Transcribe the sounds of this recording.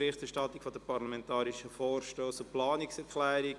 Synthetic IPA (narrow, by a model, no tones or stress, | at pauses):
ɾɪχtɛɾʃtɑtːikfodəpɑɾlamɛntɑːɾiʃəfoːrʃtoːsʊplɑːnɪksɛɾklɛːɾi